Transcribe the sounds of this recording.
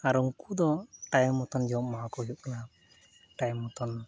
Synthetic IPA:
aɾuŋkud̪ɔʈajmːɔt̪ɔnd͡ʒɔwɔʔ̚mawakɔjuʔ̚kla | ʈajmːɔt̪ɔn

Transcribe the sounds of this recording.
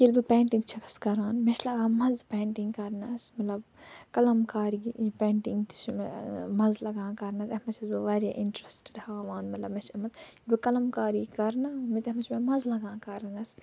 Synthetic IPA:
ilbipẽːɳʈĩŋɡt͡ʃʰɐkʰɐ̥skɐɾaːnmet͡ʃʰlɐɡãːmɐzpẽːɳʈĩŋɡkɐɾnɐsmɐt̪lɐbkɐlɐmkaːɾipẽːɳʈĩŋɡt̪i̥t͡ʃʰmemɐzlɐɡãːkɐɾnɐsɐmɐt͡ʃʰizbiʋeɾiʔiɳʈɾesʈe̥ɖhaːʋãːnmɐt̪lɐbmet͡ʃʰɐmɐt̪ilbikɐlɐmkaːɾiːkɐɾnaːmit̪ɐmɐt͡ʃʰmemɐzlɐɡãːkɐɾnɐs

